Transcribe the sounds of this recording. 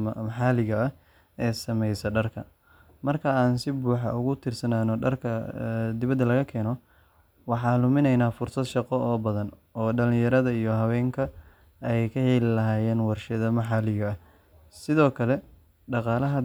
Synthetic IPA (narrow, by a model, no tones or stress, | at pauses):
mɑħɑːlɪɣɐɐ | ɛːsɐmɛjsɐɖɐrkʰɐ | mɐrkʰɐaːnsɪbuːħɑ̰ʊɣʊt̪ʰɪrsɐnaːnɔɖɐrkʰɐd̪ɪβɐd̪ːɐlɐɣɐkʰɛːnɔ | wɑħɑːlʊmɪnɛjnaːfʊrsɐd̪ʃɑqɔʔɔːbɐðɐn | ɔːɖɐlɪ̃jɐɾɐðɐijɔɦɐwɛːŋkʰɐ | ɛjkʰɐhɛlɪlɐɦaːjɛːnwɑrʃɐðɐmɑħɑːlɪɣɐː | sɪðɔːkʰɐlɛ | ɖɑqɑːlɐɦɐ